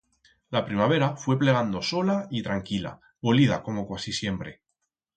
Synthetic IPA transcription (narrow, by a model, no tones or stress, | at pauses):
lapɾimaβ̞e̞ɾafwe̞ple̞ɣ̞and̪oso̞lait̪ɾaŋkila̰ | βolið̞a̰ko̞mo̞kwasisje̞mpɾe̞